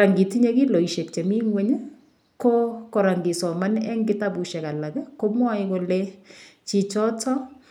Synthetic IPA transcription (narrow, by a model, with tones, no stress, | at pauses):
a˨ŋɡi˨ti˦ɲɛ˦ɡi˦lɔ˨i˨ʃe˨kt͡ʃɛ˨mi˦ŋwɛ˦ɲɛ˦ | ko˦kɔ˨ɾa˨ŋɡɪ˨sɔ˨ma˦nɛ˦ŋɡɪ˦ta˦bu˨ʃɛ˨ka˨la˨kɛ˦ko˦mwa˦jko˨let͡ʃi˨t͡ʃɔ˦tɔ˦